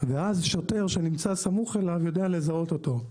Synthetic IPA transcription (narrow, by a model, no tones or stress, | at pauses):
veazʃote̞ʁʃe̞nimt͡sasamuχe̞lavjo̞deale̞zao̞t̪o̞t̪o̞